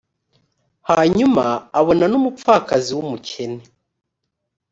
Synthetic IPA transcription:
haɲumaːβo̞nanumup͡faːkaziwumucʰe̞ne

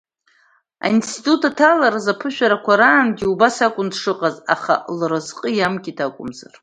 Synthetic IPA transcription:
a̰instʰitʼutʰatʰalaɾazapʰɨʃᶣaɾakʷʰaɾaːnɡʲiubasakʷʼʊndʂɨqʼaza̰χa̰lrɨzqʼəjamkʲʼitʰakʷʼʊmzar

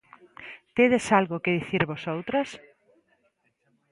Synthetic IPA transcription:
t̪eðesalɣʊkeðiθiɾβosowt̪ɾɐs

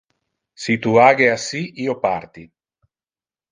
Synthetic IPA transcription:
sit̪uaɡeasiʔiopaɾt̪i

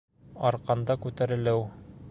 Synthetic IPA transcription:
ɒɾqɑnd̪ɑkʉt̪æɾɘ̆lɘw

